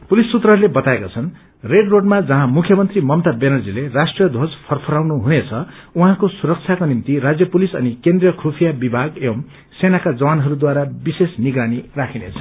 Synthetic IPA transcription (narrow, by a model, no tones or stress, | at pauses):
pulisːut̪rʌɦʌɾlebʌt̪aekat͡sʰʌn | reɖroɖmad͡zʌɦãmukʰjʌmʌnt̪rimʌmt̪abenʌrd͡zilerasʈrijʌd̪ʱod͡zpʰʌrpʰʌɾawnuɦunet͡sʰʌ | uɦãkosuɾʌk̚t͡sʰjakonimt̪iɾad͡zjʌpulisʌ̰nikend̪rijʌkʰrupʰijabibʱaɡem | senakad͡zʌwanɦʌɾud̪waɾabisesniɡɾanirakʰinḛt͡sʰʌ̥